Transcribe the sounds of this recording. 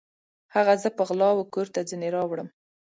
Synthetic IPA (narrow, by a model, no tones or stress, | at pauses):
haɣazəpəɣlɑwəkoɾt̪ad͡zəneɾɑwɽəm